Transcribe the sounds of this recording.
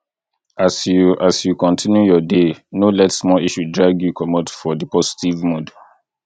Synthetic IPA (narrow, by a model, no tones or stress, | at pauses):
asasjukɔ̃ntʰĩnjujɔdenolɛtsmɔiʃudɹaɡjukɔmɔtfɔdipɔsi̥tivmod